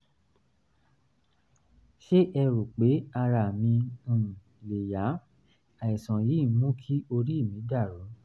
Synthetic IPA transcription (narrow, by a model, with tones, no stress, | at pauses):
ʃe˦ʔɛ˧ɾu˨k͡pe˨˦a˧ɾa˧˨mĩ˧˨ | le˨ja˨˦ | a˨i˨sɔ̃˨ji˨˦˨mũ˦kʰi˦o˧ɾi˦i˦˨mĩ˨˦da˦˨ɾo˨˦